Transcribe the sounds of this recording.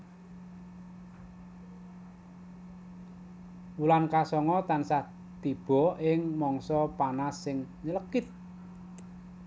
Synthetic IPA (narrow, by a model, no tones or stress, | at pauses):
ulankasɔŋɔt̪ansa | t̪ib̥ɔ̤ʔɪŋmɔŋsɔpanasːɪŋɲələkɪt̪̚